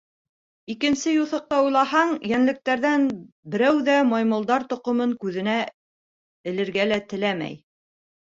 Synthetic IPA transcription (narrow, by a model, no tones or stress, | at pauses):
ikɘ̆nsɘjuθɤ̆q̚t̪ɑujlˠɑhɑɴjænlɘ̆k̚t̪æɾðæn | bɘ̆ɾæwðæmɑjmɤ̆lˠd̪ɑɾt̪ŏqŏmɤŋkʉðɘ̆næ | ɘ̆lɘ̆ɾɡælæt̪ɘ̆læmæ̰j